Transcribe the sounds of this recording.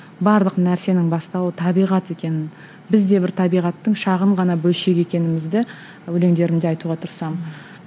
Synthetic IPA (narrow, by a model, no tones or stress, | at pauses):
bɑɾlˠəqnæɾse̞nɪŋbɑst̪ɑwət̪ʰɑbijʁɑt̪e̞kʲe̞nɪn | bɪzd̪e̞bɪɾt̪ʰɑbijʁɑt̪ːəŋʃɑʁəɴʁɑnɑbɵlʃe̞ɡʲe̞kʲe̞nɪmɪzd̪ɪ | wɵle̞ŋd̪e̞ɾɪnd̪ɪɑjt̪uʁɑt̪ʰʊɾsɑm